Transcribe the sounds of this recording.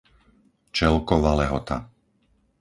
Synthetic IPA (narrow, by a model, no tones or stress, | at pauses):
t͡ʃɛlkɔʋalɛɦɔt̪a̰